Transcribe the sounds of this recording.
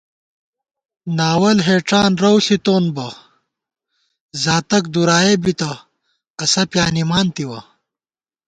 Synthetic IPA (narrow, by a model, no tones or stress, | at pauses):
naːwɐlɦeːʈ͡ʂaːnɾɐwɬit̪oːnbɐ | zaːt̪ɐk̚d̪uɾaːebit̪ɐ | ɐsɐpjaːnimaːnt̪iwɐ̰